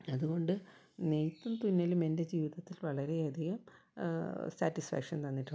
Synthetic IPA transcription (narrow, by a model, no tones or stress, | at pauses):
ɐðuɣo̞ɳɖɨ | nejt̪ːumt̪unːɐlume̞nde̞d͡ʑiːʋiðɐt̪ːilʋɐɭɐɾe̞ɐd̪ʱiɣɐm | saːtːisfa̰ːkʂɐnt̪ɐnːiʈːu